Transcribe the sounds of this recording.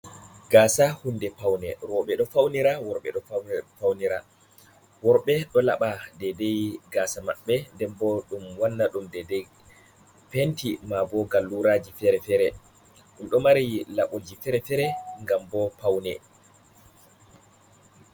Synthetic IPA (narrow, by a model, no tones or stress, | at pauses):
ɡ̥aːsahundɛpawnɛ̰ɾɔɓɛɗɔfawniɾawɔɾɓɛ̰ɗɔfawniɾa̰ | wɔɾɓɛɗɔla̰ɓadɛdejɡaːsama̰ɓːɛndɛmbɔɗumwanːaɗumdɛdɛj | pentimabɔɡalːuɾaːd͡ʒifɛɾɛfɛɾɛ | ɗumɗɔmaɾilaɓod͡ʒifɛɾɛfɛɾɛŋɡambɔpawnɛ